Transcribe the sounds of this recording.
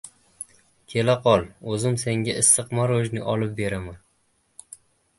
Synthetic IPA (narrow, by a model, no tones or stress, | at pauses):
kʲʰe̞laqʰɒlˠɵzɪmseŋɡʲaɪsːɨqmaɾoʒnɪʔɒlɪp̚be̞ɾama